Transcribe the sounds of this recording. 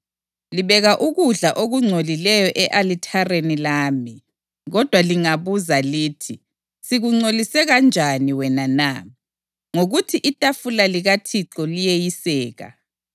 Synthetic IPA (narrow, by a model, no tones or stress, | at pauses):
liβɛɣaʔuɣuɮaʔoɣuŋ͡ǀʱolilɛjɔʔɛʔalitʰarenilaːmi | ɣɔd̥ʱwaliŋaβuzalitʰi | siɣuŋ͡ǀolisɛɣand͡ʒʱaniwɛnana | ŋoɣutʰiʔitʼafulaliɣatʰiǁɔlijejisɛːɣa̰